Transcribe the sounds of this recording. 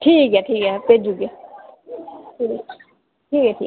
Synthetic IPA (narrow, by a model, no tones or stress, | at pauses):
ʈʰiːkɦɛʈʰiːkɦɛped͡ʒuɡja | ʈʰiːkɦɛʈʰḭː